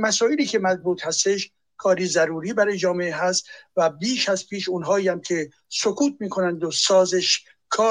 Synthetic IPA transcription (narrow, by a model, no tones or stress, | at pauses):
mæsɒːjeliːkʰemæzbuːt̪hæst̪eʃ | kʰɒːɾiːzæɾuːɾiːbæɾɒːjed͡ʒɒːmeeɦæst̪væbiːʃæzpʰiːʃunɦɒːiːæmcʰe̞ | sokʰuːt̪̚miːkʰo̞nænd̪osɒːzeʃ | kʰɒː